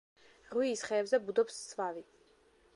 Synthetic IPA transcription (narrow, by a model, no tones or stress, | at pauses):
ʁwiːsχɛːbzɛbud̪ɔpst̪sʰvavi